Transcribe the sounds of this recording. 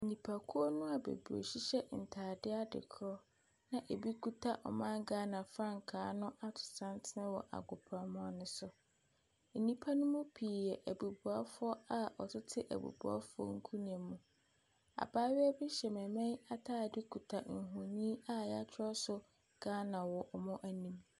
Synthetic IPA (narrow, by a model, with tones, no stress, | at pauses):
n̩˨nĩ˨pʰa˨kʰu˦o˦nʊ̃˦a˨bḛ˨bu˨o̰˨ɕi˦ɕɛ˦n̩˨tʰaː˨dɪ˦a˦dɪ̰˨kʰɾɔ˦ | nã˨ʔe˨bi˦kʰu˦tʰa˦ʔɔ̰˨mã˦ŋɡaː˦nã˨fɾã˦ŋ̩˨kʰaː˨˦nʊ̃˦ʔa˦tʰʊ̥˨sã˦n˦tʰɪ˦nɪ̃˦wɔ̰˨ʔa̰˨ɡʊ˨pʰɾa˨mɔ̃˦nʊ̃˦sʊ˨ | n̩˨nĩ˦pʰa˦nʊ̃˦mũ˦pʰiː˨ɛ˨ʔæ˨bu˨bu˨a˦fʊ˦ɔ˦a˨ɔ˨tʰɪ˦tʰɪ˦ʔæ̰˨bṵ˨bu˨˦a̰˦fʊ˦ɔ̰˦ŋ̩˦kʰu˦nĩ˨ɛ˨mũ˨ | a̰˨baː˦ɥɛ˦bɪ˦ɕɛ˨mɛ̃˨mɛ̃˦na˦tʰaː˦˨dɪ˦kʰu˨tʰa˨ŋ̩˨ɦʊ̃˨nĩː˦a˦ja˦t͡ɕʰɪ˦ɔ˦sʊ˦ | ɡ̥aː˦nã˨wɔ˨ʔɔ˨mɔ̃˦ʔæ˨nĩ˦m